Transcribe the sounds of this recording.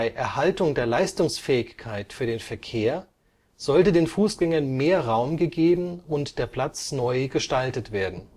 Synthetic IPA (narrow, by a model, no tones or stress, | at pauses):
ɪʔɛɐhaltʊŋdeːɐlaɪstʊŋsfɛːɪçkʰːaɪtfyːɐɾeːnfɛɐkʰeːɐ | z̥ɔltədeːnfuːsɡ̥ɛŋɐnmeːɐʁaʊmɡəɡeːbm̩ʊntd̥eːɐpl̥at͡snɔʏɡəʃtaltətv̥eːɐdn̩